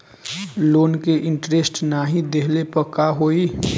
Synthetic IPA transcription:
loːnkeʔɪ̃ɳʈɾesʈnaɦĩd̪eɦlepəkaɦoːiː

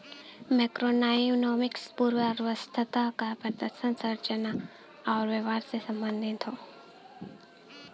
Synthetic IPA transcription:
mɛkɾonaːjunɔːmɪkspuːɾwəɾʋəst̪ʰət̪akapəd̪əɾʃənsəɾt͡ʃəna | aːɾʋeʋaːɾsesɐ̃mbənd̪ʱɪnt̪ʰoː

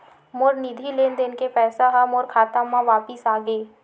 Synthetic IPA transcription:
moːɾnɪd̪ʱileːnd̪enkepɛːsaɦamoːɾkʰaːt̪amãʋaːpəsaːɡeː

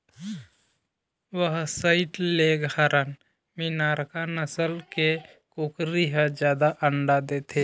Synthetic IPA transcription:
ʋəɦsəɪʈleɡɦaɾʔən | minaːɾkanəsəlke | kʊkɾiɦəd͡ʒjaːd̪aʔəɳɖad̪eːt̪ʰe

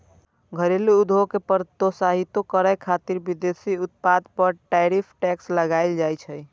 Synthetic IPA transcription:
ɡʱəɾeleud̪ʱokepəɾt̪osaɦit̪okəɾəjkʰat̪iɾbid̪esiut̪̚pad̪pəɾʈaɾipʰʈɛksləɡaɪld͡ʒajt͡ʃʰəj

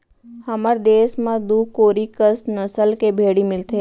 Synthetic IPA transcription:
həməɾd̪eːsmãd̪ukoːɾikəsnəsəlkebʱeːɽimɪlt̪ʰe

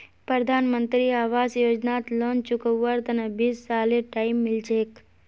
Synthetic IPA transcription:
pɾəd̪ʱaːnmə̃nt̪ɾiaːʋaːzjoːd͡ʒnaːt̪loːnt͡ʃʊkəʋːəɾt̪ɐnɐbiːsːaːleʈaːimːɪlt͡ʃeːk

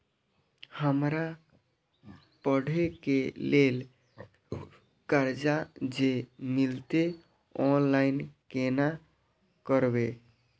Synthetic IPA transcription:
həmɾa | pəɽʱekelel | kəɾd͡ʒad͡ʒemilt̪e | ɔnlainkena | kəɾbe

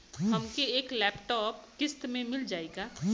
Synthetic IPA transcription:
ɦɐmkeeːklɛːpʈɔːpkɪst̪mẽmɪld͡ʒaːeɡaː

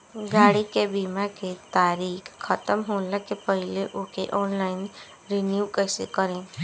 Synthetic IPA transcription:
ɡaːɽikebiːmaket̪aːɾiːkʰkʰːət̪əmɦoːləkepəɦɪleʔoːkeʔɔːnlaːɪn | ɾɪnjuːkəːsekəɾẽː

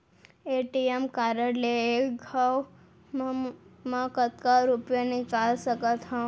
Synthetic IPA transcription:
eʈiemkaɾəɽleekɡʱaw | mãkət̪kaɾupjanikalsəkət̪ɦã

